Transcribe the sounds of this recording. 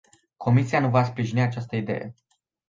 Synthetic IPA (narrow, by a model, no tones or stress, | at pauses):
kʰo̞misijanuvaspɾiʒiniat͡ʃast̪əid̪e̞̰je̞̰